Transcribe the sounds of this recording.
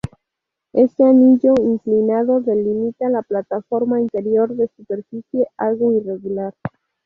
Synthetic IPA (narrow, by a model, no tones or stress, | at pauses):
e̞st̪eanid͡ʒo̞iŋklinaðo̞ðe̞limit̪alaplat̪afo̞ɾmaint̪e̞ɾio̞ɾðe̞supe̞ɾfit͡sje̞alɣoire̞ɣulaɾ